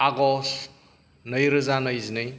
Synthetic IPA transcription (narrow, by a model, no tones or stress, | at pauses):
aɡɔs | nəjɾɯzanɐjzinɯj